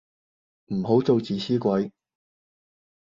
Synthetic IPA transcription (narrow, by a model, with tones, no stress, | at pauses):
m̩˨˩ɦo˨˥wt͡so˨wt͡siː˨sʰiː˥kʷɐ˨˥j